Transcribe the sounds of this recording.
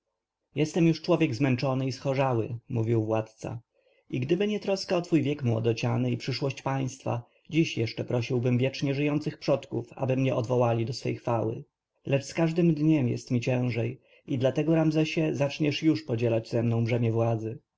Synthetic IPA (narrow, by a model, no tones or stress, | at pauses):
jɛst̪ɛmjuʂt͡ʂwɔvʲjɛɡzmɛnt͡ʂɔnɘisxɔʐawɘ̰muvʲiwvwat̪t̪sa̰ | ʔiɡd̪ɘbɘɲɛt̪ɾɔskaɔt̪fujvʲjɛkmwɔ̰d̪ɔt͡ɕanɘipʂɘʂwɔɕt͡ɕpaj̃st̪fa̰ | d͡ʑiɕjɛʂt͡ʂɛpɾɔɕiwbɘmvʲjɛt͡ʂɲɛʐɘjɔnt̪sɘxpʂɔt̪kufa̰bɘmɲɛʔɔd̪vɔwalʲid̪ɔsfɛ̰jxfawɘ̰ | lɛt͡ʂskaʐd̪ɘmd̪ɲɛmjɛ̰st̪mʲit͡ɕɛ̃w̃ʐɛj | id̪lat̪ɛɡɔɾamzɛɕɛzat͡ʂɲɛʂjuʂpɔd͡ʑɛlad͡ʑzɛmnɔ̃w̃bʐɛmʲjɛvwad̪zɘ